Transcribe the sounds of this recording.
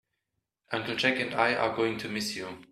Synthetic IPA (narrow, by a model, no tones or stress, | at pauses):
ʔʌ̃ŋkəl̩ˠd͡ʒɛkɨ̃ndaɪʔə̰˞ɡoʊɪ̃ŋtʰumɪsju